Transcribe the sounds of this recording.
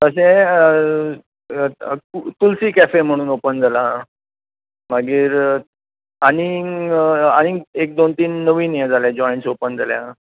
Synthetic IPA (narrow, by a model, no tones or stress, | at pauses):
t̪əs̬ẽ | ukulsiːkæfem̤əɽ̃uːnopənd͡zʱalaɦ | maɡiːɾ | ani | añiek̚d̪ont̪iːnːəʋiːnjed͡zʱalẽd͡ʑɔjɳsopənd͡zaljã̰